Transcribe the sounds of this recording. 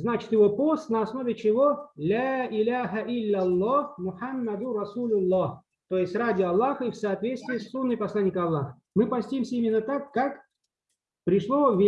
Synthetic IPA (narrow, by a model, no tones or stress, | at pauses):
znat͡ɕɪ̥t̪jɪvo̞post̪nəɐsno̞vʲɪt͡ɕɪvolʲaɪlʲaɦəʔɪlʲːɐlˠːahmʊħamːɐd̪ʊrɐsulʲʊlˠːɑh | t̪ojɪsʲt̪ʲradʲɪɐlˠːaxəifsɐːt̪vʲet̪st̪vʲɪːsːunːɨjpɐslˠanʲːɪkəɐlˠːaxə̥ | mɨpɐsʲtʲimsʲəimʲɪnːət̪akːak | pɾʲɪʂlˠovʲɪ